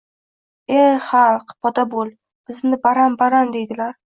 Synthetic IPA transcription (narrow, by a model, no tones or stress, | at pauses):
eχɑlˠqpʰɒd̪abolˠ | b̥ɪznɪbaɾambaɾand̪e̞jd̪ɪlaɾ